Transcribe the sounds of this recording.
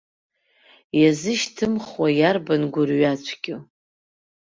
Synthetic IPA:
jazɨʃtʰɨmχwajarbanɡʷʊrɥat͡ʃʷʰɡʲɪ

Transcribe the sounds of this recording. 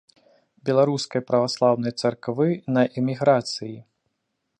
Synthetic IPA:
bʲɛlˠaɾuskɐjpɾɐvaslˠawnɐjt̪sarkvɨnɐʔɛmʲiɣɾat̪sɨji

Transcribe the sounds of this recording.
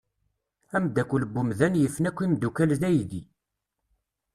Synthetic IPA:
æmd̪ækʷːuləbːumðænjəfnækʷːimd̪ukælðæjd̪i

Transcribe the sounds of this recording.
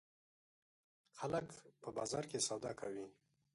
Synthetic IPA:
xaləkpəbɑzɑɾkesawd̪ɑkʰawi

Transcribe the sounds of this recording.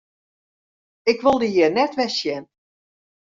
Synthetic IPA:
ɪkʋolˠdəjiənɛtʋɛsjɛn

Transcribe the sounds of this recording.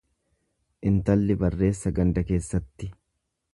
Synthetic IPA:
ʔɪnt̪ɐlːɪbɐrːe̞ːsːɐɡɐnd̪ɐke̞ːsːɐt̪ːɪ

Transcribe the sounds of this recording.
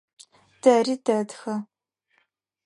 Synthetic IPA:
d̥ɐridɐdxɐ

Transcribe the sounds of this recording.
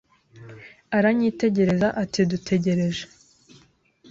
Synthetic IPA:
aɾaɲiːte̞ɟe̞ɾe̞zaʔatidutʰe̞ɟe̞ɾe̞ʒe̥

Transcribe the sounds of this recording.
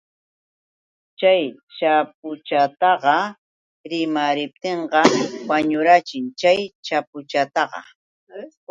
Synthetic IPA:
t͡ʃaj | t͡ʃap̚ʊt͡ʃat̪ɑɢɑ | ɾɪmaɾɪp̚t̪eɴɢɑwaɲʊɾat͡ʃɪŋt͡ʃajt͡ʃapʊt͡ʃat̪ɑɢɑ̰

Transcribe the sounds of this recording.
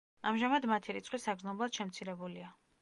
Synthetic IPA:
amʒamad̪mat̪ʰiɾit̪sʼqʼwisaɡznɔblˠad̪̥ʃɛmt̪sʰiɾɛbulia

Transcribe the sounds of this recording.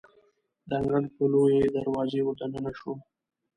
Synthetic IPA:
d̪aŋɡɾaɽpolojeed̪aɾwɑzewot̪anənaʃo

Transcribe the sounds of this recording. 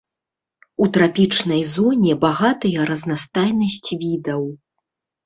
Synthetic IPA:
ut̪ɾapʲit͡ʂnɐjzɔnʲɛbaɣat̪ɐjɐɾɐznast̪ajnɐsʲt͡sʲvʲid̪ɐw

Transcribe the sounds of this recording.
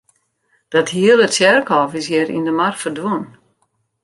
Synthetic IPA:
d̥ɔthiəlˠətsjɛrkɔfɪsjɛɾḭndəmarkfərdwuən

